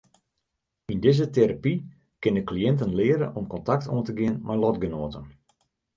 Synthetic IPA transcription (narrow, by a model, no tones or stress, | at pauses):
indɪzəteɾapi | kɪndəkliɪntənlɪəɾə̰ʔɔmkɔntak̚tʰo̰ːəntəɡɪənmʔajlɔtɡənoːtən